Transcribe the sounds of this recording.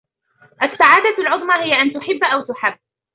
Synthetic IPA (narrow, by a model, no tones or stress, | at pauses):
ʔasːaʕaːd̪alʕʊðˤmahɪjːaʔant̪ʊħɪbːʔawt̪ʊħabː